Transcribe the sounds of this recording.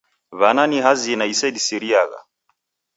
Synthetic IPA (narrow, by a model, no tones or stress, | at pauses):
βananiɦazinaisɛdisiɾiaɣa̰